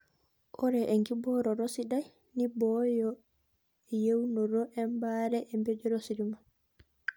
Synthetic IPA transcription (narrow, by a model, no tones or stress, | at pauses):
ʔɔɾɛʔɛŋɡibɔɾɔɾosiɗaj | nibɔjɔ | ɛjewnɔɾɔʔɛmbaːɾɛʔɛmbed͡ʒɔɾosiɾima